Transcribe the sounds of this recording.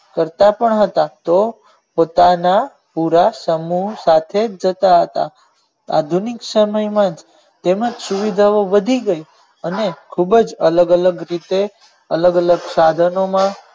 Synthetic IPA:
kəɾt̪apəɳɦət̪at̪o | pot̪ana | puɾasəmusat̪ʰed͡ʒət̪aɦət̪a̰ | a̰d̪ʱunɪksəməjmãd͡ʒ | t̪eməd͡ʒsuʋid̪ʱaoʋəd̪ʱiɡəi | ənekʰubəd͡ʒələɡələɡɾit̪e | ələɡələɡsad̪ʱənomã

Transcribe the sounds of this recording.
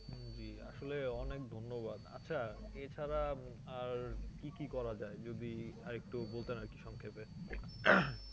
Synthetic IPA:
d͡ʑia̰ʃoleɔnekd̪ʱonːobad̪a̰tːɕʰaet͡ɕʰaɾa | aɾkikikɔɾad͡ʑaed͡ʑod̪iaɾek̚ʈubolt̪enaɾki̥ʃɔŋkʰepe

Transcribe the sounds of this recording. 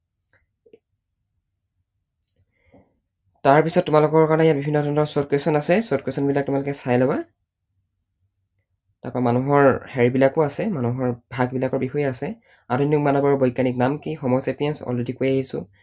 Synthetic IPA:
taɹpisɔtːumalʊkɔɹkaɹɔnɛjat̚bibʱinːɔdʱɔnɔɹsot̚kwesɔnasɛsot̚kwesɔnbilak̚tʊmalʊkɛsajlɔwa | taɹpamanuɦɔɹhɛɹibilakʊasɛmanuɦɔɹbʱaɡbilakɔɹbixɔjɛasɛ | adonikmanɔbɔɹɔbɔjkːaniknamkixɔmɔsepijɛnsɔ̰ledikojaɦisʊ̰

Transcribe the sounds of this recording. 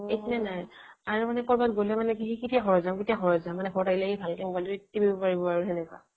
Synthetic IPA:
ekʰinɛnaj | aɹumanɛkɔɹbatɡolɛmanɛkiɦikitiaɦɔɹɔzamkitiaxɔɹɔzamanɛxɔɹtaɡilaɡibʱalkɛmɡaluitːibibɔpaɹibɔpaɹuɦɛnɛkwa̰

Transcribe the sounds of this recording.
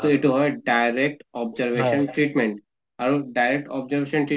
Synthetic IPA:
t̪ɔeʈuɦɔjɖajɾek̚ʈɔbzəɾʋeʃənʈɾiʈmẽɳʈ | aɾuɖajɾek̚ʈɔbzəɾʋeʃənʈɾi

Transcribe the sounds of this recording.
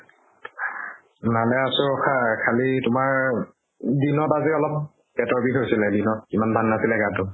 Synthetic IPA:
nalɛasʊɔxʰakʰalitʊmaɹ | dinɔtaziɔlɔp̚ | pɛtɔɹbiɦojsilɛdinɔt̚imandʱanːasilɛɡatʊ

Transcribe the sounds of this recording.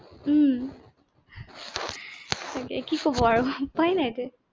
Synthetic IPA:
tʰakɛ̰kikobɔaɹʊpajnajte

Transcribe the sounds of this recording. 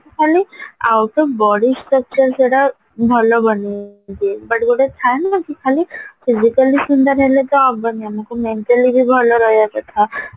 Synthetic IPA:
kʰalia̰wʈ̪ɔbɔɽisɾək̚t͡ʃəɾseɽa | bʱɔlɔbɔned̪ibəʈɡoʈet̪ʰaenakikʰalipʰizikəlisund̪aɾɦelet̪ɔabaniamakumeɳʈalibʱibʱɔlɔɾɔjakɔt̪ʰa

